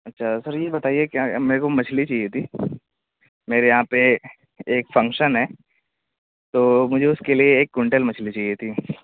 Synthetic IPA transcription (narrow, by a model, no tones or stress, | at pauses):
ɐtːʃʰasɐɾjebɐt̪aːiekãmeːɾekomɐt͡ʃʰlit͡ʃaːɦiet̪ʰiː | meːɾejɐɦãpe | eːkfɐ̃ŋkʃənɦɛː | t̪oːmʊd͡ʒʱeʊskelieːkːʊɳʈəlmɐt͡ʃʰlit͡ʃaːɦiet̪ʰi